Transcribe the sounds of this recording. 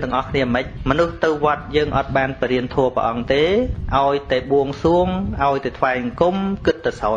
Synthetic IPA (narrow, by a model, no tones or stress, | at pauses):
t̪ɨ̆əŋʔɑhkʰniəmɨc̚mɔnuht̪ɨwʋŏət̪̚jəːŋʔɑt̪̚ɓaːnpiɾiənt̪ʰuəpə̰ʔɑŋt̪eːʔaɔjt̪aɛɓuəŋsuəŋʔaɔjt̪aːt̪ʰʋaɛŋkumkɨt̪̚ːasaː